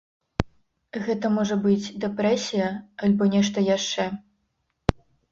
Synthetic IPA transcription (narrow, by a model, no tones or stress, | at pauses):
ɣɛt̪ɐmɔʐɐbɨd͡zʲd̪ɛpɾɛsʲijɐalʲbɔnʲɛʂt̪ɐjaʂt͡ʂɛ